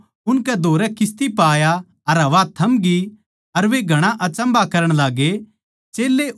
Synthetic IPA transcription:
ʊnkɛd̪ʱoːɾɛkɪst̪ipaːja | ɐɾɦɐʋaːt̪ʰɐmɡi | ɐɾʋeɡʱɐɽ̃aʔɐt͡ʃə̃mbakɐɾəɽ̃laːɡe | t͡ʃeːlːe

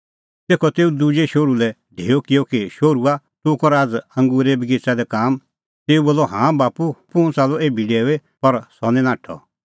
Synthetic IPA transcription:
t̪eːkʰɔt̪eːud̪ud͡ʒeʃoːɾulɛ | ɖʱeːɔkɪjɔkiʃoːɾua | t̪ʊkɔɾaːd͡zɐ̃ŋɡuːɾebɪɡɪt͡sad̪ɛkaːm | t̪eːuboːlːɔɦãːbaːpupʊ̃ʊ̃t͡saːlɔeːbʱiɖeːepɐɾsɔnɛ̃nãːʈʰɔ̰

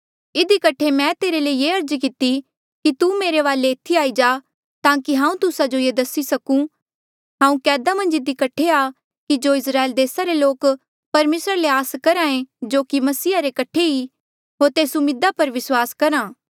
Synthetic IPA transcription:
ɪd̪ikɐʈʰemɛ̃t̪eːɾeleieːɐɾd͡ʒkɪt̪i | kit̪umeːɾeʋaːlet̪ʰiaːid͡ʒaː | t̪ãːkiɦãːũt̪ʊsad͡ʒojeːd̪ɐsisɐkũ | ɦãːũkɛːd̪amɐ̃nd͡ʒɪd̪ikɐʈʰeaː | kid͡ʒoːɪsɾaːeːld̪eːsaɾeloːk | pɐɾmeːsɾaleaːskɐɾãːẽd͡ʒoːkimɐsiːaɾekɐʈʰei | ɦoːɾt̪eːsumɪd̪apɐɾʋɪswaːskɐɾaː

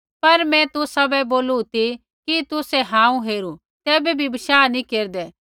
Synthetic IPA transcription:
pɐɾmɛ̃t̪ʊsɐbɛboːlut̪i | kit̪ʊsɛɦãːũɦeːɾu | t̪ɛːbɛbʱibɐʃaːnĩkeːɾd̪ɛː

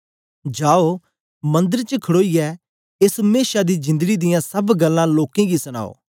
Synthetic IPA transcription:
d͡ʒaːo | mɐ̃nd̪əɾt͡ʃəkʰɐɽoːijɛ | ɪsmeːʃad̪id͡ʒɪ̃nd̪əɡid̪ɪjãsɐbɡɐlːãloːkẽɡisɐña̰ːo̰ː

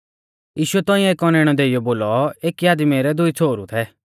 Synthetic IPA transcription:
jiːʃʊɛt̪ɔ̃ːĩeːkɔneːɽ̃ɔd̪eːɪjɔboːlɔeːkiaːd̪meɾɛd̪ʊit͡sʰoːɾut̪ʰɛ

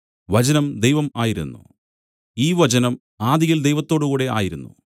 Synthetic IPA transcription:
ʋɐd͡ʑɐnɐmd̪ejʋɐmaːjiɾṵnːṵ | iːʋɐd͡ʑɐnɐm | aːd̪iɣild̪e̞jʋɐt̪ːo̞ːɽuɣuːɽe̞ʔa̰ːjiɾunːṵ

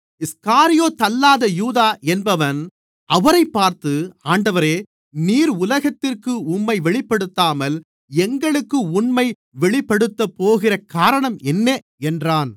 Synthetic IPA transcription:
ɪskaːɾɪjoːt̪ɐlːaːðɐjuːðaːʔɛnbɐʋɐn | ʔɐʋɐɾɐɪpːaːɾt̪ɯaːɳɖɐʋɐɾeː | niːɾʊlɐɣɐt̪ːɪrkɯʊmːɐɪʋɛɭɪpːɐɽɯt̪ːaːmɐl | ɛŋɡɐɭɯkːɯʊɳmɐɪ | ʋɛɭɪpːɐɽɯt̪ːɐpːoːɣɪrɐkaːɾɐɳɐmɛnːe | ɛndraːn

